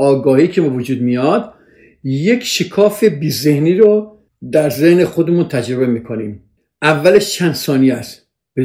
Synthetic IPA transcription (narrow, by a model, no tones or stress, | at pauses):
ɒːɡɒːhiːcʰebevod͡ʒuːd̪̚mijɒːd̪ | je̞kʰʃekʰɒːfebiːze̞hniːɾo | d̪æɾzehnexod̪emunt̪ʰæd͡ʒɾobemiːkʰoniːm | ʔævːæleʃt͡ʃʰænd̪sɒːniæst̪ | be